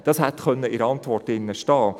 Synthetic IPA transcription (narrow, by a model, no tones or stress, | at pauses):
d̥ɑshætχœnːəɪɾɑntʋɔrtɪnːəʃtɑː